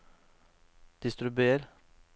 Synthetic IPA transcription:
d̪̥ɪst̪ɾʉbeːɾ

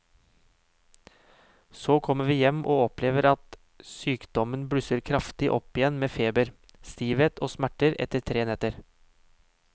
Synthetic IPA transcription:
soːkʰɔmːəʋiːjɛmʔoːɔpleːʋəɾɑt̪ | syːkd̪ɔmənbɽʉsəɾkʰɾɑft̪ɪʔɔpɪjɛnmeːfeːbəɾ | st̪iːʋeːt̪ʰoːsmæʈəɾɛ̰t̪əɾt̪ʰɾeːnɛt̪əɾ

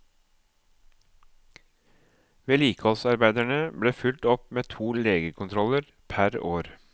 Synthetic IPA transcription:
ʋeːliːkɔsɑɾbæɪd̪æɳəbɽeːfʉlt̪ɔpmeːt̪ʰuːleːɡəkʰʊnt̪ʰɾɔləɾ | pʰæɾoːɾ

